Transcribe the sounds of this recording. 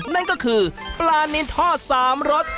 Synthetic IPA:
na˥˩nkɔː˥˩kʰɯː˧ | plaː˧ni˦˥nt̪ʰɔː˥˩saː˩˦mɾo˦˥t̪̚

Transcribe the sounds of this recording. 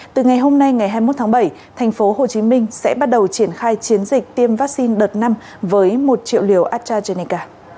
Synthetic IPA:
t̪ɨ˨˩ŋa˨˩jɦo˧mna˧jŋa˨˩jɦaː˧jmo˦˥t̪̚ʰaː˨˦ɓə˧˩j | t̪ʰa˨˩jŋ̟fo˨˦ho˨˩t͡ɕi˨˦mï˧ŋ̟sɛ̰˧˥ɓa˦˥t̚ɗə˨˩wt͡ɕi˧˩ənxaː˧jt͡ɕi˨˦ənzï˨˩k̟̚t̪i˧əmvaː˦˥k̚si˧nɗəː˨˩t̚na˧m | vəː˨˦jmo˨˩t̚t͡ɕḭ˧˨ə˨wli˧˩əwʔaː˦˥t̚t͡ɕaː˧ze˧ni˧kaː˧

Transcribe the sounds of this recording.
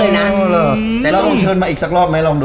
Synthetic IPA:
laː˧˩˨ | lɛː˦˥ɔ˧ŋt͡ɕʰɤː˧nmaː˧ʔiː˨˩ksa˨˩k̚lɔː˥˩p̚ma˦˥jlɔ˧ŋɗ

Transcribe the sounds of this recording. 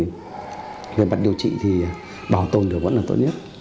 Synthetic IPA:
ve˨˩ma˨˩t̚ɗi˧əwt͡ɕḭ˧˨t̪ʰi˨˩ | ɓaː˨˩wt̪o˧nɗɨ˨˩ək̚və̰˧˥nlaː˨˩t̪o̰˧˥t̚ɲə˦˥t̚

